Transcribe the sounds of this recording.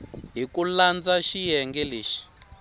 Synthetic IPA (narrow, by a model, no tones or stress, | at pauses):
ɦikuland͡zaʃijɛŋɡɛleːʃi̥